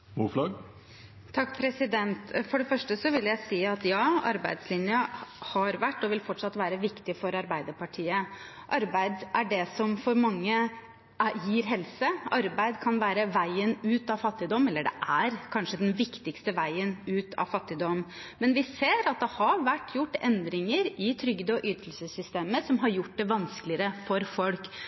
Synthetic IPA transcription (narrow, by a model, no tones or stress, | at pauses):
muflɑɡ | t̪ʰɑkːpʰɾɛsɪd̪ɛnt̪fɔɖɛfœʂʈəsɔʋɪlːəjæɪsiːɑt̪jɑːɑ̰ɾbæɪd̪slɪnjəhɑɾʋæʈːɔʋɪlfɔʈːʂɑt̪ːʋæːɾəʋɪkt̪ɪfɔɾɑɾbæɪd̪əpɑʈʰiːə | ʔɑɾbæɪd̪æɖɛsɔmfɔɾmɑŋːə | jiːɾɦɛlsəɑɾbæɪd̪kʰɑnʋæːɾəʋæɪənʉːt̪ɑʋfɑt̪ːɪd̪ɔmːɛlːəɖɛ̰ʔæɾkʰɑnʂəd̪ɛnʋɪkt̪ɪkst̪əʋæɪənʉːt̪ʰɑ̰ʋfɑt̪ːɪd̪ɔm | mɛnʋɪseːɾɑt̪̚d̪ɛhɑɾʋæʈːjʊʈːɛnd̪ɾɪŋəɾɪt̪ʰɾʏɡd̪əɔʔyːt̪əlsəsʏst̪eːməsɔmɦɑɾjʊʈ̚ːd̪ɛʋɑnskəlɪəɾəfɔɾfɔlk